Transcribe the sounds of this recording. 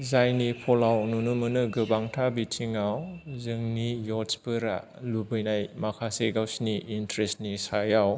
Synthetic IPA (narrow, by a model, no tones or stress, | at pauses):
zajnipʰɔlawnunumɯnɯɡɯbaŋtʰabitʰiŋawzɯŋnijɔspɯɾa̰ | lubɯjnajmakʰaseɡawsniʔːntɾestnisajaw